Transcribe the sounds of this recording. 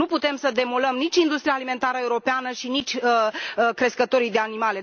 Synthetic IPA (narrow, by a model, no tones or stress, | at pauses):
uput̪e̞msəd̪e̞moləmnit͡ʃʲind̪ust̪ɾiaːlime̞nt̪aɾəeuɾo̞peanəʃinit͡ʃʲəkɾe̞skət̪o̞ɾijd̪e̞animale̞